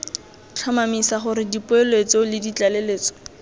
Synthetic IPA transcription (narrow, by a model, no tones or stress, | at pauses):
t͡ɬʰamamisaχʊɾɪdipʊelwet͡sɔlɪdit͡ɬaleleːt͡sɔ̥